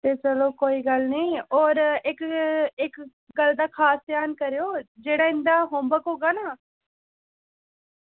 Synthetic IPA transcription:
t̪eːt͡ʃəloːkoːiːɡəlnĩːoːɾɪkɪk | ɡəld̪aːkʰaːsd̪jaːnkəɾejoːd͡ʒeːɽaːɪ̃nd̪aːɦõːmbəkɦoːɡaːnaː

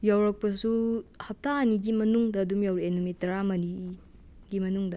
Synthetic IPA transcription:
jawɾɐk̚pɐsuhɐp̚taːniɡimɐnuŋdɐːdumjawɾienumitɐɾamɐni | ɡimɐnuŋdɐ

